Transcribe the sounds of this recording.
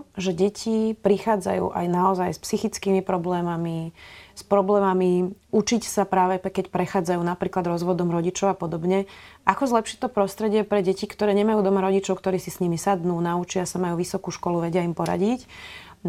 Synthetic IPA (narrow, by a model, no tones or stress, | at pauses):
ʒɛɟɛcʰipɾixaːd͡za̰jṵːʔa̰jnaɔzajspsixit͡skiːmipɾɔblɛːmamispɾɔblɛːmami | ut͡ʃicsapɾaːʋɛkɛcpɾɛxaːd͡zajuːnapɾiːklad̪ɾɔzʋɔd̪ɔmɾɔɟit͡ʃɔʊapɔd̪ɔbɲɛʔakɔzlɛpʃict̪ɔpɾɔst̪ɾɛɟɪɛpɾɛɟɛcikt̪ɔɾɛːɲɛmajuːd̪ɔmaɾɔɟit͡ʃɔʊkt̪ɔɾiːsisɲimisad̪nuːnaut͡ʃɪasamajuːʋisɔkuːʃkɔluʋɛɟɪaimpɔɾa̰ɟic